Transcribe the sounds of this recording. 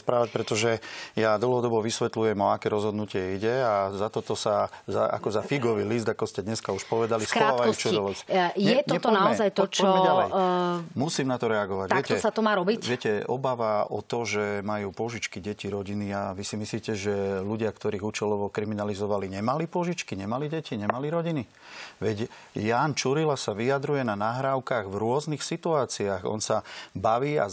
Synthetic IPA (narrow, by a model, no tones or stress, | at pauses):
spɾaːʋac̚pɾɛt̪ɔʒɛjad̪l̩ɦɔd̪ɔbɔʋisʋɛt̪lujɛmɔakɛɾɔzɦɔd̪nucɪɛiɟɛazat̪ɔt̪ɔsazaa̰kɔzafiɡɔʋiːlizd̪akɔscɛd̪ɲɛskauʃpɔʋɛd̪aliskɾɔaːaaɔut͡ʃud̪ɔʋɔt͡sjɛt̪ɔɛt̪ɔnaɔɛzajt̪ɔt͡ʃɔɔɛmɛalɛ | musiːmnat̪ɔɾɛaɡɔʋaɟ̪aɪɛkcɛɔsat̪ɔmaːɾɔbicʋɪɛcɛɔbaʋaɔ̰t̪ɔʒɛmajuːpʊɔʒit͡ʃkiɟɛciɾɔɟiniaʋisimisliːcɛʒɛluɟɪakt̪ɔɾiːɣut͡ʃɛlɔʋɔkɾiminalizɔʋaliɲɛmalipʊɔʒit͡ʃkiɲɛmaliɟɛciɲɛmaliɾɔɟini | ʋɛɟ | jaːnt͡ʃuɾilasaʋijad̪ɾujɛnanaɦɾaːʊkaɣvɾʊɔznixsit̪uaːt͡siaɣɔ̰nsabaʋiːa̰